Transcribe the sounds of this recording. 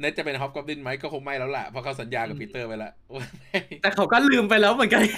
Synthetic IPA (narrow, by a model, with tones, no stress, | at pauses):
ne˦˥t̚t͡ɕa˨˩pe˧nɦɔ˦˥p̚kɔ˦˥p̚li˥˩nma˦˥jkɔː˥˩kʰo˧ŋma˥˩jlɛː˦˥wla̰˨˩pʰɔ˧˥kʰa˥˩sa˨˩˦njaː˧ka˨˩p̚ʰwi˦˥t̪ːɤː˥˩pa˧jla˧˩ | o˧˩ma˥˩jt̪ɛː˨˩kʰa˨˦wkɔː˥˩lɯː˧mpa˧jlɛː˦˥wmɯ˨˩˦nka˧n